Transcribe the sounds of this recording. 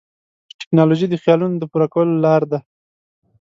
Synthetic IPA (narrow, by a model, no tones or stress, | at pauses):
ʈʈɪ̥knɑloʒid̪əxjɑlunod̪əpuɾakawəlolɑɾd̪a